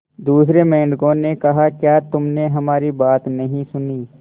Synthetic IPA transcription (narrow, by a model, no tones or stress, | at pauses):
d̪uːsɾemɛ̃ːɳɖɡõnekɐɦakjaːt̪ʊmneɦɐmaːɾibaːt̪nɐɦĩsʊniː